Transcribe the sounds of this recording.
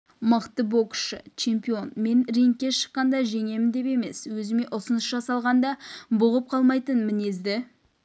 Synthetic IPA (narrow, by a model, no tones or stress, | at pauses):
məqt̪əbo̞kʃə̰t͡ʃʰe̞mpio̞nme̞nreŋkʲːe̞ʃə̥qːɑnd̪ɑʒe̞ŋe̞mɪnd̪e̞pe̞me̞swɵzɪme̞ʔʊsənəsʒɑsɑlˠʁɑnd̪ɑbʊʁəp̚qʰɑlˠmɑjt̪ənmɪne̞zd̪ɪ